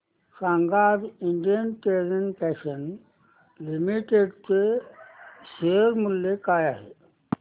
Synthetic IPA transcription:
sãŋɡaːdiɳɖijənʈeɾənpɛʃən | limiʈeɖt͡se | seɾmuljekaːjaːɦe

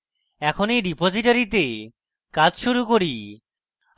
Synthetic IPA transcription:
ɛkʰoneɖipod͡ʑiʈaɾit̪̬e | kad͡ʑʃuɾukoɾi

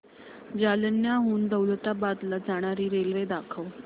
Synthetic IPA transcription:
d͡ʑalənjaɦuːnd̪əwlət̪abad̪lad͡zaɽ̃aɾiːɾelʋed̪akʰəw

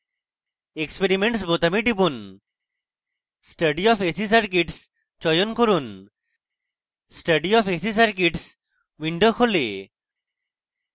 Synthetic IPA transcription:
ekspeɾimeɳʈsbot̪amiɖibun | sʈəɖiɔpesisaɾkeʈs | t͡ʃɔjonkoɾun | sʈəɖiɔfesisaɾkʈs | ʋiɳɖokʰole

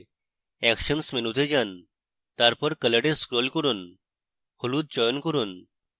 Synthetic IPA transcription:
ɛkɕənsmenut̪ʰed͡ʑan | t̪aɾpəɾkələɽẽskɾolkəɾuːn | holuːt̪̚d͡ʑɔjɔnkəɾuːn

